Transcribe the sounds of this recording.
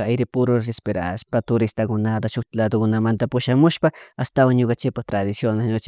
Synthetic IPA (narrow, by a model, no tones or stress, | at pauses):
ajɾɪpʊɾʊɾɾespeɾa̰ʃpat̪ʊɾɪst̪akʊnat̪aʃʊkt̪lad̪okʊnamant̪apʊʃamʊʃpaast̪awaŋɲokant͡ʃɪk̚pat̪ɾad̪ɪsjonaɲot͡ʃ